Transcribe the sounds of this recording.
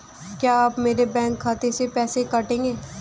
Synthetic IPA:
kjaːaːpmeːɾebɛ̃ːŋkʰːaːt̪esepɛːsekɐʈẽːŋɡeː

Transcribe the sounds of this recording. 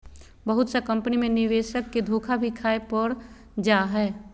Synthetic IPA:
bəɦʊt̪sekɐ̃mpənimẽnɪʋeːʃəkːed̪ʱoːkʰabʱikʰaːepəɾ | d͡ʒaɦɛː

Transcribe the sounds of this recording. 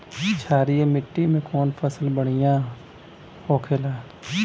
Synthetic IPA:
t͡ʃʰaːɾiemɪʈːimẽkɔːnpʰəsəlbəɽ̃ijãː | hoːkʰelaː

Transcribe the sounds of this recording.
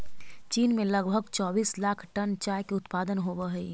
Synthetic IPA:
t͡ʃiːnmẽləɡbʱəɡ̚t͡ʃɔːbiːslaːkʰʈənt͡ʃaːjkeʊt̪paːd̪ənɦobəɦi

